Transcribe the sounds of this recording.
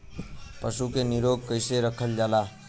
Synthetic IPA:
pəsukeniɾoɡ̚kəɪseɾəkʰəld͡ʒala

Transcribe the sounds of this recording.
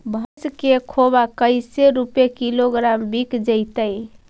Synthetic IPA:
bʱəskekʰobakəɪseɾupjekiloɡɾambikd͡ʒəɪt̪əj

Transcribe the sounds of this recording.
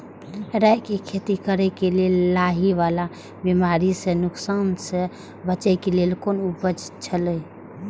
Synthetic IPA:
ɾakekʰet̪ikəɾɛkelelːaɦiʋala | bimaɾisenʊksanse | bət͡ʃɛkelelkonubəd͡ʒt͡ʃʰələ

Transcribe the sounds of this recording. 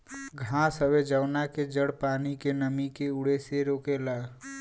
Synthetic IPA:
ɡʱãsəbed͡ʒəʊnaked͡ʒəɽpaːnikenəmikeʊɽeseɾoːkelaɡ

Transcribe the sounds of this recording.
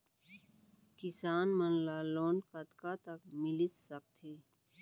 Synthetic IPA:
kɪsaːnmənlaːloːnkət̪kat̪ɐkmɪlɪt̪sɐk̚t̪ʰeː

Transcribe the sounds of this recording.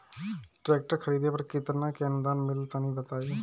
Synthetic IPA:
ʈɾɛːk̚ʈəɾkʰɐɾiːd̪ʱepɐɾkɪt̪nakeənd̪aːnmɪlt̪anĩbɐt̪aːja

